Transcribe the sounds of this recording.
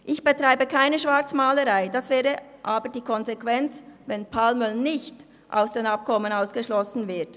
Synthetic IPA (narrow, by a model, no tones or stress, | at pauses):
ʔɪçb̥ətʁ̥aɪbəkʰaɪnəʃv̥aɐt͡smaːləʁaɪd̥asv̥ɛːʁəʔaːbəʁdiːkʰɔnzekv̥ɛnt͡svɛnpʰalmœlnɪçt | ʔa̰ʊsd̥eːnap̚kʰɔmənaʊsɡ̥əʃlɔsn̩vɪɐt